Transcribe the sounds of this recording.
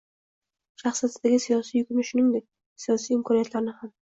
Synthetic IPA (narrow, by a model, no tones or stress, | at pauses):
ʃaχsijat̪d̪aɡʲɪsijɒsijʊkʲʊmɪʃʊnɪŋd̪ek̚ʲ | sijɒsijɪmkʰɒnijat̪ʰlaɾɪnɪham